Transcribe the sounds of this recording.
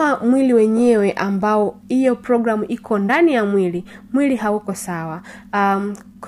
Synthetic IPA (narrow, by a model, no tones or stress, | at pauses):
amwiliwɛɲɛwɛʔambaɔhijɔpɾɔɡɾamuʔikʰɔndanijamwili | mwiliɦaukɔsawa | k